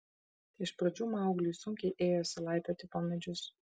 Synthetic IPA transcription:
ɪʃpɾɐd͡ʒʲuːmɑˑʊɡlʲiːsʊŋʲkʲɛɪʔeːjoːsʲɪlˠɑˑɪp̪ʲɛt̪ʲɪpɐmʲɛd͡ʒʲʊs

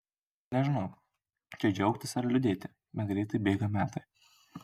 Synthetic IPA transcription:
nʲɛʒʲɪnɒʊ | t͡ʃʲɛd͡ʒʲɛʊkt̪ʲɪsɐɾlʲʊd̪ʲeːt̪ʲɪ | bʲɛt̪̚ɡɾʲɛɪt̪ɐɪbʲeːɡɐmʲæːt̪ɐɪ

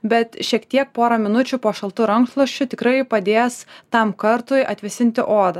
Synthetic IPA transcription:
bʲɛt̪ʃʲiɛkt̪ʲiɛk̚poːɾɐmʲɪnʊt͡ʃʲʊpoːʃɐlˠt̪ʊɾɐŋkslˠoʃʲt͡ʃʲʊt̪ʲɪkɾɐɪpɐd̪ʲeːjɛst̪ɐmkɐɾt̪ʊjʔɐt̪ʲʋʲɪsʲɪnʲt̪ʲɪʔoːd̪ɐ

